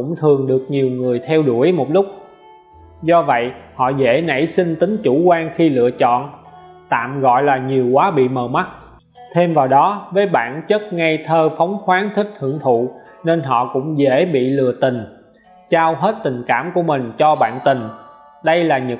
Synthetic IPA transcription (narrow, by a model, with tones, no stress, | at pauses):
ʊ̰˧˥ŋ͡mt̪ʰɨ˨˩əŋɗɨ˨˩ək̚ɲi˨˩əwŋɨ˨˩əjt̪ʰɛ˧wɗu˧˩əjmo˨˩t̚lʊ˦˥k͡p̚ | zɔ˧və̰˧˨jhɔ̰˧˨zḛ˧˥nə̰˧˥jsï˧ŋt̪ï˨˦ŋ̟t͡ɕu˧˩kwaː˧ŋxi˧lɨ̰˧˨ət͡ɕɔ̰˧˨n | t̪a̰ː˧˨mɣɔ̰˧˨jlaː˨˩ɲi˨˩əwkwaː˨˦ɓḭ˧˨məː˨˩ma˦˥t̚ | t̪ʰe˧mvaː˨˩wɗɔ˨˦vəː˨˦jɓa̰ː˧˨nt͡ɕə˦˥t̚ŋa˧jt̪ʰəː˧fa˨˦wŋ͡mxwaː˨˦nt̪ʰï˦˥k̟̚h̪ʰɨ̰˧˩əŋt̪ʰṵ˧˨ | ne˧nɦɔ̰˧˨kʊ̰˧˥ŋ͡mzḛ˧˥ɓḭ˧˨lɨ̰˧˨ət̪ï˨˩ŋ̟ | t͡ɕaː˧wɦe˦˥t̚t̪ï˨˩ŋ̟kaː˧˩mku˧˩əmï˨˩ŋ̟t͡ɕɔ˧ɓa̰ː˧˨nt̪ï˨˩ŋ̟ | ɗə˧jlaː˨˩ɲ˨˩